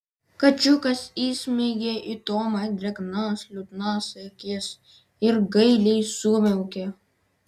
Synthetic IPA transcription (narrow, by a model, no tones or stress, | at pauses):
kɐt͡ʃukɐsiːsmiɡeʔit̪oːmɐjd̪ɾɐknaːslut̪naːsekes | iɾɡɐilisuːmeuke